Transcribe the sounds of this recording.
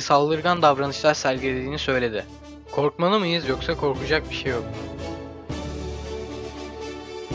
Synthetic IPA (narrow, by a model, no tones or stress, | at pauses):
salˠːɯɾɡand̪avɾanɯt͡ʃlˠaɾsælʲɟʲilʲed̪iːnisø̞jlʲe̞d̪ɪ | kʰo̞ɾkmanˠɯmɯjɯzjo̞ksakʰo̞ɾkʰud͡ʒak̚biʃe̞jːok̚